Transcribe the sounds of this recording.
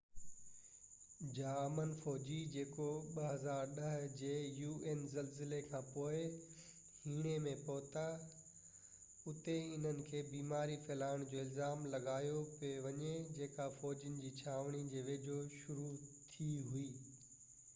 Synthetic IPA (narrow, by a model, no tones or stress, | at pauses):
d͡ʑaːmənfɔːd͡ʑid͡ʑeːkoɓɐɦɐzaːɾɗɐɦʊd͡ʑeːjuːʔeːnzɐlzɪlekʰãːpoːɪ | hiːɽ̃emẽpɔːt̪a | ʊt̪eɪn̤ənɪ̆kʰeːbiːmaːɾifʰeːlaːɪɽ̃d͡ʑoːɪlzaːmlɐɠaːjopʋɐɲed͡ʑeːkafɔːd͡ʑənɪ̆d͡ʑiːt͡ɕʰaːʋɽ̃id͡ʑeːʋeːd͡ʑʱoʃʊɾut̪ʰiɦuiː